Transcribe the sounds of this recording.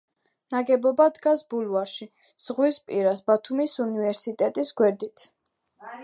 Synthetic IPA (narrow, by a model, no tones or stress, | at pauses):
naɡɛbɔbad̪ɡasbulˠvaɾʃi | z̥ʁwispʼiɾasbat̪ʰumisunivɛɾsit̪ʼɛt̪ʼisɡwɛɾd̪it̪ʰ